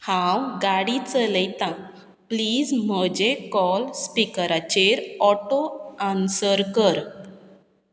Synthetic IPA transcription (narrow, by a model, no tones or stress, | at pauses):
hãwɡaɽit͡sələjt̪ã | pliːd͡zm̤əd͡ʑekɔlspikəɾat͡ɕeɾɔʈoãnsəɾkəɾ